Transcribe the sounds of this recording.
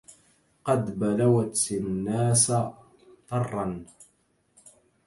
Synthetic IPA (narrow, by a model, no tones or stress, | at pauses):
qɑd̪balawat̪nːaːs | t̪ˤɑrˤːɑn